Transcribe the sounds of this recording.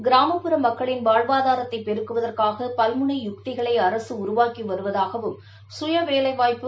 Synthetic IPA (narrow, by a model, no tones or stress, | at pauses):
ɡɪɾaːmɐpːɯɾɐmɐkːɐɭɪnʋaːɻʋaːðaːɾɐt̪ːɐɪpːɛɾɯkːɯʋɐðɐrkaːɣɐpɐlmɯɳɐɪjʊkʈ̪ɪɣɐɭɐɪɐɾɐsɯʊɾʊʋaːkiʋɐɾɯʋɐðaːɣɐʋɯm | sʊjɐʋeːlɐɪʋaːjpːɯ